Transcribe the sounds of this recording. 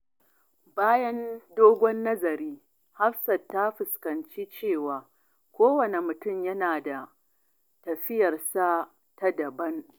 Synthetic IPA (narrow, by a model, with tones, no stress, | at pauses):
baː˦jɐ˦ndoː˦ɡʷɔ˦nːɐ˦zɐ˨ɾiː˦ | ha˦ɸsɐ˨tːa˦ɸɪ˨skɐ˨nt͡ʃiː˦t͡ʃeː˦˨waː˨ | kʷoː˦wɐ˨ne˨mʊ˨tʊ˦˨mjɐ˦naː˨da˨ | tɐ˨ɸɪ˦jɐ˨rsa˦ | tɐ˦dɐ˨bɐ˦n